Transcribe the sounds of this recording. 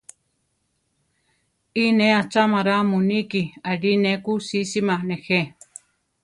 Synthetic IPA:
ineat͡ʃamaɾamunikialinekusisimanexe

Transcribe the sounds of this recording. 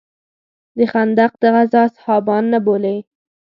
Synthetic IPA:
d̪əxand̪aq̚d̪əɣazɑshɑbɑnːabolej

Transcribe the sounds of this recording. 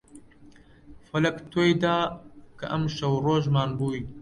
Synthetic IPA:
fɐlɐkt̪ʰojd̪aːkɐ̰ʔɐmʃɐwɾoːʒmaːnbuːj

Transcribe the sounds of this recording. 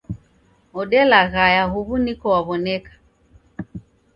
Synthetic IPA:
ɔɗɛlaɣajaɦuβunikɔwaβɔnɛkḁ

